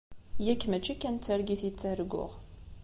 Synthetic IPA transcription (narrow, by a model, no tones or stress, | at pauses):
jækːmæt͡ʃːikːænt͡sːəɾɡiθit͡sːəɾɡʊ̰ʁ